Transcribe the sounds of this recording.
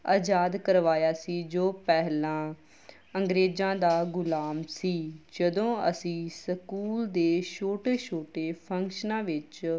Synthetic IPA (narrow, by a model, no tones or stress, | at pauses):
aːd͡ʒaːd̪kəɾʋaːjaːsiːd͡ʒoːpɛɦlãː | əŋɡɾeːd͡ʒãːd̪aːɡʊlaːmsiːd͡ʒəd̪õːə̰sĩːsəkuːld̪eːʃoːʈeːʃoːʈeːpʰə̃ŋkʃənãːʋɪt͡ʃ